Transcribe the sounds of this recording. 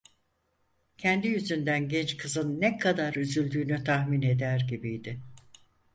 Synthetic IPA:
cʰɛnd̪ijyzynd̪ænɟɛnt͡ʃkʰɯzɯnːɛkʰad̪aɾyzylʲd̪yːnyt̪ʰahmine̞d̪æɾɟibijd̪ɪ

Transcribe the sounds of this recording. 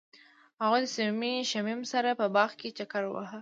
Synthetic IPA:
haɣujd̪əsɪmiʃamimsaɾapəbɑɣket͡ʃakaɾwa̰ɦə

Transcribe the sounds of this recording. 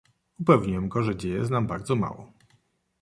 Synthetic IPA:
upɛvɲiwɛmɡɔʐɛd͡ʑejɛsnambaɾd̪zɔma̰wɔ̰

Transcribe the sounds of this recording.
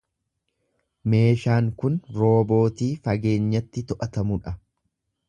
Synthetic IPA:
me̞ːʃaːŋkʊnɾo̞ːbo̞ːt̪iːfɐɡe̞ːɲːɐt̪ːɪt̪ɔʔɐt̪ɐmʊᶑɐ

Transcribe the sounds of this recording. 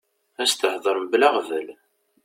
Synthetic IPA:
æst̪əħðˤəɾˤmblaʁvəl

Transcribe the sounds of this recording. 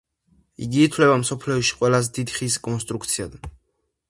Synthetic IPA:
ḭɡiːt̪ʰwlɛbamsɔpʰliɔʃi̥qʼwɛlazɛd̪id̪χiskʼɔnst̪ʼɾuk̚ʰt̪sʰia̰d̪n

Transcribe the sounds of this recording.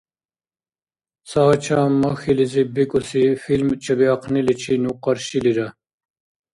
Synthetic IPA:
saːt͡ɕʰamɐxilizibikʼusifilmt͡ɕʰɐbiɐqnilit͡ɕʰinuqɐɾɕiliɾɐ

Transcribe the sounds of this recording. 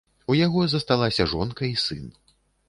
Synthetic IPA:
ujaɣɔzɐst̪alˠasʲɐʐɔnkɐisɨn

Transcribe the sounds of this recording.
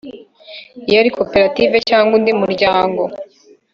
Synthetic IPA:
ijaɾikʰopeɾativecaːŋɡwundimuɾɟaːŋɡo̞

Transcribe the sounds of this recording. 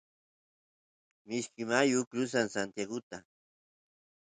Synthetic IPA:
mɪʃkɪmajʊkɾʊsansant̪jaɡʊt̪a

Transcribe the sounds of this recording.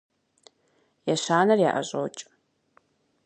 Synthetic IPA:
jɛɕaːnɐrja̰ːʔɐ̰ʑʼo̰wt͡ʃʼ

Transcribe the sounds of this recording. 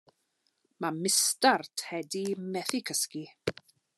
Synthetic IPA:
mamɪstartʰhɛdimɛθikʰəski

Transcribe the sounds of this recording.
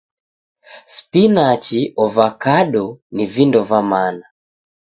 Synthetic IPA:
spinat͡ʃiʔɔvakaɗɔnivindɔvamana

